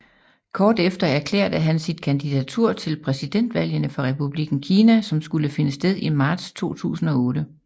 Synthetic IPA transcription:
kʰɒːd̥efd̥ɐæɐkʰlḛɐd̥əɦænsid̥̚kʰænd̥id̥æt͡sʰuɐ̰t͡sʰe̝lpʰʁɛsid̥en̰d̥ʋæl̰jənəfɒ̽ʁɛpʰub̥liɡ̥n̩kʰiːnæsɒ̽msɡ̥uləfe̝nəsd̥eð̞ˠimɑ̈ːd̥st͡sʰo̝̰ːt͡sʰṵːsn̩ɒ̽ɔ̽ːd̥ə

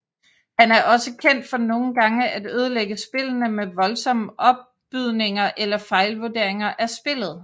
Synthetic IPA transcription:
hænæɐʔɒ̽səkʰen̰d̥fɒ̽no̝ːn̩ɡ̥ɑ̈ŋəʔædøːð̞ˠəleɡ̥əsb̥e̝lənəmeʋɒ̽lsɒ̽məʔɒ̽b̥̚ | yðˠne̝ŋɐʔelɐfɑ̈ɪlʋoɐd̥e̝ɐ̰e̝ŋɐʔæɐsb̥e̝l̰ð̞̩ˠ

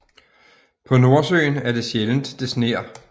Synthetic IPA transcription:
pʰɒ̽no̝ɐsø̰ːnæɐd̥e̝ɕjeln̩d̥ːe̝sne̝̰ːɐ

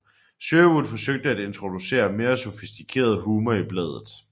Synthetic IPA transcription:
ɕøːud̥ˠfɒ̽søɡ̥̚d̥əæd̥e̝nt͡sʰʁo̝d̥use̝̰ːɐme̝ːɐso̝fisd̥ikʰe̝̰ːɐð̞ˠɦuːmɐib̥lɛ̰ð̞ˠð̩ˠ

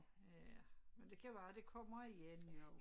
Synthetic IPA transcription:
ææmend̥e̝kʰæʋæːd̥e̝kʰɒ̽m̰ɐiɡenjo

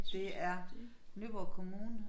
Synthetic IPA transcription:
d̥e̝æɐ | nyb̥ɒkʰo̝muːnə

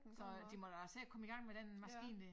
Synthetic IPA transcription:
sɒ̽d̥imɒd̥ɑsekʰɒ̽məiɡ̥ɑ̈ŋ̰meɾ̥enmæsɡ̥ḭːnə

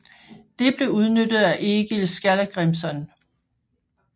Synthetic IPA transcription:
d̥e̝b̥le̝uð̞ˠnød̥ð̩ˠæʔe̝ɡ̥ilsɡ̥ælæɡ̥ʁemsɒn

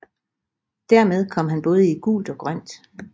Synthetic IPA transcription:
d̥æɐmeð̞ˠkʰɒ̽m̰ɦænb̥ɔ̽ːð̞ˠəiɡ̥ṵːld̥ɒ̽ɡ̥ʁɶn̰d̥

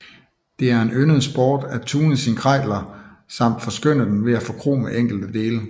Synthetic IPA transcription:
d̥e̝æɐe̝nønəð̞̩ˠsb̥ɒːd̥æt͡sʰuːnəsinkʰʁɑɪ̰lɐ | sɑ̈m̰d̥fɒ̽sɡ̥øn̰əd̥enʋe̝æfɒ̽kʰʁo̝̰ːmeʔeŋ̰ɡ̥l̩d̥əd̥e̝ːlə

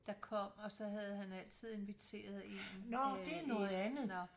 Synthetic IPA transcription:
d̥ɑ̈kʰɒ̽m̰ɒ̽sɒ̽ɦæð̞ˠhænæl̰t͡sʰið̰ˠe̝nʋit͡sʰe̝̰ːɐð̞ˠe̝nnɒd̥e̝ænɔ̽ːð̞̩ˠænð̩ˠ

